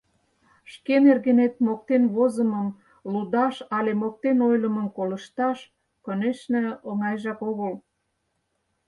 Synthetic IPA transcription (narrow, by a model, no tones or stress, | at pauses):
ʃkenerɣenet̪̚mok̚t̪enβozəməm | lud̪ɑʃɑlemok̚t̪enojləməmkolə̆ʃt̪ɑʃ | kə̆neʃnĕoŋɑjʒɑkoɣəl